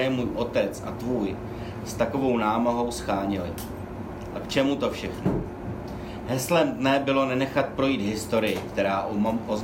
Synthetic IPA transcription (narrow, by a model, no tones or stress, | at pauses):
ɛmuːjʔo̞t̪ɛt͡sa̰t̪vuːj | st̪ako̞vo̞wnaːmaɦo̞wsxaːɲɪlɪ | ʔakt͡ʃɛmut̪o̞fʃɛxno̰ | ɦɛslɛmdnɛbɪlo̞nɛnɛxat̪̚pɾo̞jiːd̪ɦɪst̪o̞ɾɪjɪkt̪ɛɾaːʔʔoz